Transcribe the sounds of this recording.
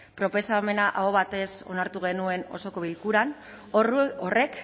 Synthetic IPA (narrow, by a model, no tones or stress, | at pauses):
pɾo̞pe̞same̞naʔaoβat̪e̞so̞̰naɾt̪uɣe̞nue̞no̞̰so̞ko̞βilkuɾan | oore̞k